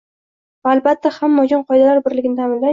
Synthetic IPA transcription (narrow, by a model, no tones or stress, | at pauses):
valbat̪ʰːahamːɒd͡ʒɒnqʰɒjd̪alaɾbɪɾlɪɡʲɪnɪt̪ʰamɪnla